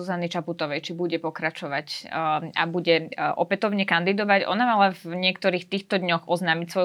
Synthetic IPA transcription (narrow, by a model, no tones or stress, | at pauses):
uzanit͡ʃaput̪ɔʋɛjt͡ʃibuɟɛpɔkɾat͡ʃɔʋaca̰buɟɛʔɔpɛt̪ɔʊɲɛkand̪id̪ɔʋaɟʔɔ̰namalavɲɪɛkt̪ɔɾiːxt̪iːxt̪ɔd̪ɲɔxʔɔznaːmicsʋɔj